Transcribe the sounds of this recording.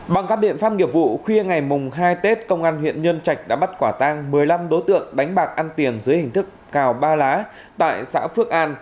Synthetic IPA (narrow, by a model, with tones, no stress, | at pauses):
ɓa˨˩ŋkaː˦˥k̚ɓḭ˧˨ənfaː˦˥p̚ŋi˨˧˩əp̚vṵ˧˨xwi˧əŋa˨˩jmʊ˨˩ŋ͡mɦaː˧jt̪e˦˥t̚kə˧wŋ͡mʔaː˧nhwḭ˧˨ənɲə˧nt͡ɕa˨˩jk̟̚ɗa̰ː˧˥ɓt̚kwaː˧˩t̪aː˧ŋmɨ˨˩əjla˧mɗo˨˦jt̪ɨ̰˧˨əŋɗa˨˦jŋ̟ɓaː˨˩k̚ʔaː˧nt̪i˨˩ənzɨ˨˦əjhï˨˩ŋ̟t̪ɨ˦˥k̚kaː˨˩wɓaː˧laː˨˦ | t̪a̰ː˧˨jsa̰ː˧˥fɨ˦˥ək̚ʔaː˧n